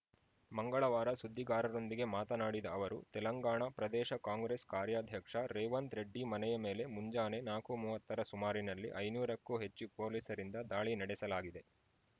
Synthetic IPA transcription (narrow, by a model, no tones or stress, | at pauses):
mɐŋɡɐɭɐʋaːɾɐsud̪ʱːiɡaːɾɐɾo̞nd̪iɡe̞maːt̪ɐnaːɽid̪ɐːʋɐɾut̪ɛlɐŋɡaːɳɐpɾɐd̪ɛːʃɐkaːŋɡɾeskaːɾjaːd̪ʱjɐkʂɐɾeːʋɐnt̪ɾeɖːimɐnɛjɐmeːle̞muɲd͡ʒaːnenaːkumuːʋɐt̪ːɐɾɐsumaːɾinɐlːḭʔɐjnuːɾɐkːuːɦe̞t͡ʃːupo̞ːliːsɐɾind̪ɐd̪aːɭinɐɽɛsɐlaːɡid̪e̞